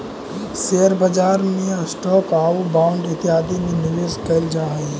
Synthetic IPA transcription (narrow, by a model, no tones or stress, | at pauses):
seːəɾbɐd͡ʒaːɾmẽɐsʈɔːkaːubaːʊ̃ɳɖɪt̪ɪjaːd̪imẽnɪʋeːskɐld͡ʒaːe